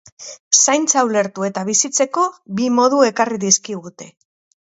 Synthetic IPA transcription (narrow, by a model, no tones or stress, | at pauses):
sajnt͡sawle̞ɾt̪ue̞t̪aβ̞isit͡se̞ko̞bimo̞ðue̞kariðiskiɣut̪e̞